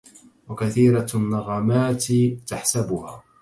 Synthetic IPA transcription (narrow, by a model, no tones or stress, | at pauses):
wakaθiːɾanːɑɣaːmaːt̪t̪aħsabʊhaː